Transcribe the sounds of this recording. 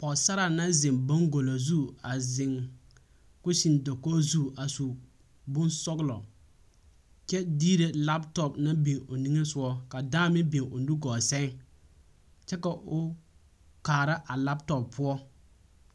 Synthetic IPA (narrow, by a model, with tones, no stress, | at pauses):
pɔ˨sa˦ɾa˨na˦zɪ˨ŋbo˦ŋɡo˨lo˨zu˦a˨zɪ˨ŋ | kʊ˦si˨ndo˨ko˦zu˦a˨su˨ | bʊ˦nsɔ˦ɡlɔ̰˨ | t͡ʃɛ˦diː˦ɾe˨la˦ptɔ˨pna˦be˨o˨ni˦ŋe˦sʊ˦ɔ˦ka˨daː˦mɪ˦be˨ŋo˨nu˦ɡɔː˨sɛ˦ŋ | t͡ʃɛ˦ka˨ʔʊ˨ | kaː˨ɾa˦ʔa˨la˦p̚tɔ˨ppʰːʊ˦ɔ˦